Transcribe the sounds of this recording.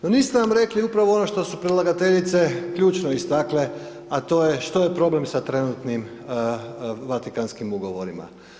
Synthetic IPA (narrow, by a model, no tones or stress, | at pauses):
noniːst̪enamɾe̞kliupɾaʋo̞ono̞ʃt̪o̞supɾilˠaɡat̪e̞ʎit̪se̞kʎuːt͡ʃnoist̪akle | at̪o̞ːjeʃt̪o̞je̞pɾo̞ble̞msat̪ɾe̞nut̪nim | ʋat̪ikanskimuɡo̞ʋo̞ɾima̰